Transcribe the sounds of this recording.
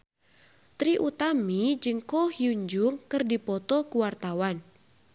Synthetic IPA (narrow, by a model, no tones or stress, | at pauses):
t̪ɾiʔut̪amid͡ʒɨŋkɔhjuɲd͡ʒʊŋkɨrdipɔt̪ɔkuwart̪awan